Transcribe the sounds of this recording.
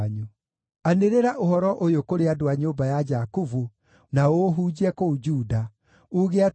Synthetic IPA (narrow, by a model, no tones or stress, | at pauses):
ɲu | aneɾeɾaʔohɔɾɔʔojokoɾeadoaɲobajad͡ʒakuvu | naoɦud͡ʑiɛkoud͡ʒuːda | uɣea